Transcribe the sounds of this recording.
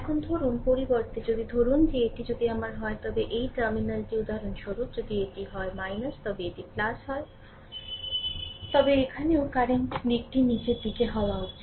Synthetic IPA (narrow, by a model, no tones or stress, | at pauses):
akʰund̪ʱoɾunpoɾibʌɾt̪ed͡zʌd̪id̪ʱoɾund̪ieʈid͡ʒʌd̪iamaɾɦʌjt̪ʌbeʔeiʈʌɾminʌlʈiud̪aɾʌnt͡ʃʰʌɾud͡zʌd̪ieʈiɦʌjmajnʌst̪ʌbeeʈiplasɦʌj | t̪ʌbeekʰaneokaɾeŋbik̚ʈinit͡ʃed̪iɡeɦʌwaut͡sʰi